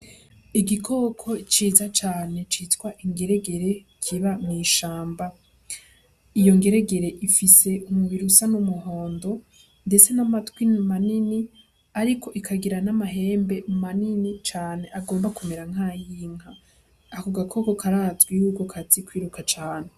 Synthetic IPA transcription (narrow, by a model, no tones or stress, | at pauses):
iɡikʰo̞kʰo̞t͡ʃiːzat͡ʃaːne̞t͡ʃitwaʔiŋɡe̞ɾe̞ɡe̞ɾe̞ | kʰiβamiːʃaːmba | ijo̞ŋɡe̞ɾe̞ɡe̞ɾe̞ʔifise̞umuβiɾusanumuɦo̞ːndo̞ | nde̞t͡se̞namatɡwinmanini | aɾikʰo̞ʔikʰaɡiɾanamaɦe̞ːmbe̞maninit͡ʃaːne̞ʔaɡo̞ːmbakumeɾaŋ̥haːjiːŋ̥haː | koɡakʰo̞ko̞kʰaɾaːt͡sɡwijuɡokʰat͡sikwiːɾukat͡ʃaːne